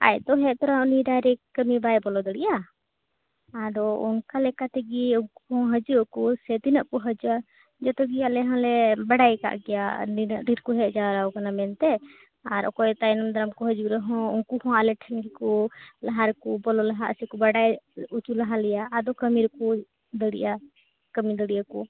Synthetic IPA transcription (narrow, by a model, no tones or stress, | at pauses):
a̰jd̪ɔɦɛʔd̪ɔɾaniɾaɾɛkəmibajbɔlɔd̪ɔɽija | ad̪ɔṵnkalɛkat̪ɛɡiukuhɔ̃ɦəd͡ʒukɔsɛt̪inəʔkɔɦəd͡ʒua | d͡ʒɔt̪ɔɡialɛɦãlɛbaɽajka̰ʔɡɛja̰ninʔɖiɾkɔɦɛt̪̚d͡ʒaɾawkanamɛnt̪ɛ | aɾɔ̰kɔjt̪ajnamd̪aɾamkɔɦəd͡ʒuɾɛɦɔ̃unkuhɔ̃alɛʈʰɛnɡikɔlaɦaɾkubɔlɔlaɦaʔə̰sikɔbaɽajut͡ʃulaɦalɛjaʔːd̪ɔkəmiɾku | d̪əɽḭʔa | kəmid̪əɽijaku